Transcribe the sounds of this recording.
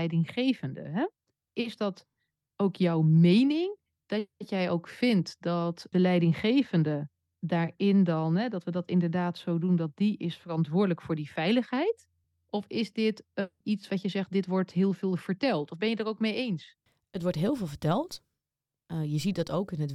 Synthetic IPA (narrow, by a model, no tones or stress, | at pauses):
jdɪŋχejvəndə̰ɦɛ | ʔɪzdɑt | owkjɔwmejnɪŋ | d̥ɑtjɛjowkfɪntdɑtd̥əlɛjdɪŋχejvəndə | daːɹɪndɑnɦɛdɑtʋədɑtɪndəɹdaːtsowdundɑt̚diʔɪsfərɑntʋʊːɹdələkfʊːɹdiv̥ɛjləχɦɛjt | ʔɔfɪzdɪtitsʋɑtjəzɛχt̚dɪtʋɔɹtɦɪːlˠvɪːlˠv̥əɹtɛlˠtɔvbɛnjədərowkmejejns | ətʋɔɹtɦɪːlˠvɪːlˠvəɹtɛlˠt | jəzit̚dɑtowkɪnət